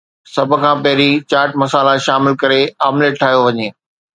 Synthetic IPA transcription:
sɐbʱʊ̆kʰãːpɐɦɪɾit͡ɕaːɾʈmɐsaːlaʃaːmɪlkɐɾeaːmleːʈʰaːɦjoʋɐɲeː

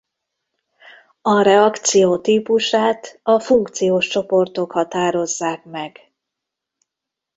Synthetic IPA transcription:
ɒɾɛɒkt̪sijoːt̪iːpuʃaːt̪ɒfuŋkt̪sijoːʃt͡ʃo̞po̞rt̪o̞khɒt̪aːɾo̞zːaːkmɛɡ̥

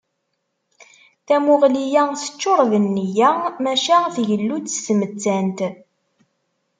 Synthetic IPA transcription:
θæmʊʁlijæθə̥t͡ʃːoɾˤvənːijæmæʃæθʝəlːut͡sːə̥smət͡sːænt̪

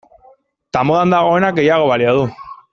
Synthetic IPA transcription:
t̪amoðand̪aɣ̞o̞e̞nak̚ɡe̞jaɣ̞o̞βaliaðu

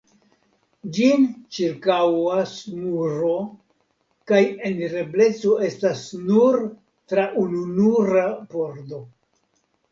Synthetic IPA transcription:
d͡ʒint͡ʃiɾkawasmuɾo̞ | kaje̞nɾe̞ble̞t͡so̞e̞stasnuɾ | tɾaʔununuɾabo̞ɾdo̞

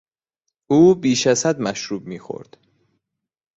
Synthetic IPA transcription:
uːbiːʃæzsæd̪mæʃɾuːb̚miːxo̰ɾd̪̥

